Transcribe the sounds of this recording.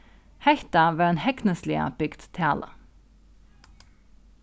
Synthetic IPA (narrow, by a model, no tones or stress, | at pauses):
hɛçt̪ɑʋɑːɛːnhɛknəslɪɑ̰b̥ʏɡd̪̥t̪ʰɪɑlə̰